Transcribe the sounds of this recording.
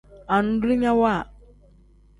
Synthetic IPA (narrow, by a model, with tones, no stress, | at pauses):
a˨n̩˦dɾi˦ɲa˦wa˦˨